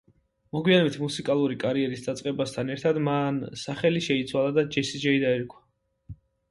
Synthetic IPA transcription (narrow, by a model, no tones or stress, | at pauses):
mɔɡwijanɔbit̪ʰmusikʼalˠuɾikʼaɾiɛɾisd̪at̪sʼqʼɛbast̪ʰanɛɾt̪ʰad̪mansaχɛliʃɛit̪sʰwalˠad̪ad͡ʒɛsid͡ʒɛid̪aɛɾkʰwḁ